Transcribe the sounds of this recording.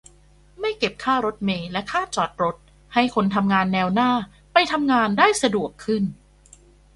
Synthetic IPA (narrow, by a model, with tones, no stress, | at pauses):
ma˥˩jke˨˩p̚kʰaː˥˩ɾo˦˥t̪̚meː˧lɛ˦˥kʰaː˥˩t͡ɕɔː˨˩t̪̚ɾo˦˥t̪̚ | ha˥˩jkʰo˧nt̪ʰa˧mŋaː˧nːɛː˧wnaː˥˩ | pa˧jt̪ʰa˧mŋaː˧ndaː˥˩jsa˧du˨˩əkʰːɯ˥˩n